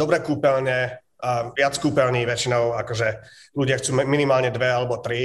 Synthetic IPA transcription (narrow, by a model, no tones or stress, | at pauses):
d̪ɔbɾɛkuːpɛlɲɛ | ʋɪat͡skuːpɛlɲiːʋɛt͡ʃinɔʊakɔʒɛ | ʎuɟɪaxt͡suːminimaːlɲɛd̪ʋɛalɛbɔt̪ɾi